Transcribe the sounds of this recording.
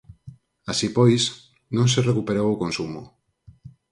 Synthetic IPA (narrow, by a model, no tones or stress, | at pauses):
asipojs | nõŋserekupeɾowokonsumo̰